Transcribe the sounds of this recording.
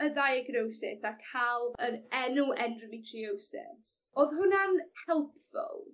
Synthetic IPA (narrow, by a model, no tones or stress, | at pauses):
ədajaɡnowsɪsakʰalˠvəɾɛnʊʔɛndrəmitʰriowsɪ̰soːðɦʊnanhɛlˠp̚ʰfʊ̰lˠ